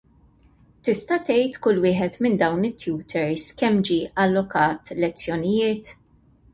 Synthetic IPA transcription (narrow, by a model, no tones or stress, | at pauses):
t̪ɪst̪ɐt̪ɛjt̪kʊlːwɪːħɛt̪mɪnd̪ɐwnɪt̪ːjuːt̪ʰɛɾskɛmːd͡ʒiːʔɐlːɔkɐːt̪lɛt͡sːjɔnɪjɪːt̪